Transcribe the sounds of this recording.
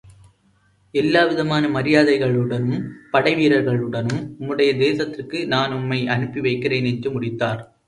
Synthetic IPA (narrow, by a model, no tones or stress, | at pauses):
ɛlːaːʋɪðɐmaːnɐmɐɾɪjaːðɐɪɣɐɭɯɽɐnɯmpɐɽɐɪʋiːɾɐɾɣɐɭɯɽɐnɯmʊmːɯɽɐjɐd̪eːsɐt̪ːɪrkɯnaːnʊmːɐɪʔɐnɯpːiʋɐɪkːɪreːnɛd͡ʒɯmʊɽɪt̪ːaːɾ